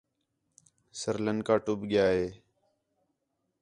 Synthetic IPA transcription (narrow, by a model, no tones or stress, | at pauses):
səɾlənkaːʈʊbɠɪjaːɦeː